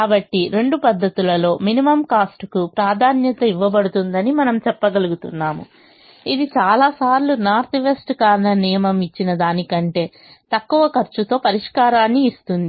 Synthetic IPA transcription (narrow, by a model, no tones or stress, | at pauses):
kaːbɐʈːiɾe̞ɳɖupɐd̪ʱːɐt̪ulɐlo̞ːminimɐmkaːsʈkupɾaːd̪ʱaːnjɐt̪ɐiʋːɐbɐɽut̪und̪ɐnimɐnɐmt͡ʃɛpːɐɡɐluɡut̪unːaːmṵ | id̪it͡ʃaːlaːsaːɾlunaːɾt̪ʰiʋesʈkaːɾɐnɐnijɐmɐmit͡ʃːinɐd̪aːnikɐɳʈe̞ː | t̪ɐkːuʋɐkɐɾt͡ʃut̪o̞ːpɐɾiʂkaːɾaːnːiːst̪und̪i